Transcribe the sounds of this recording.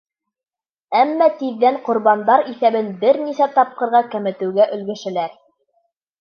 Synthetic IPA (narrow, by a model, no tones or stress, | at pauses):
æmːæt̪iðːæɴqŏɾβɑnd̪ɑɾiθæβɘnbɘɾnisæt̪ɑp̚qɤ̆ɾʁɑkæmɘ̆t̪ɘ̆wɡæʔɵ̆lɡɘ̆ʃɘ̆læɾ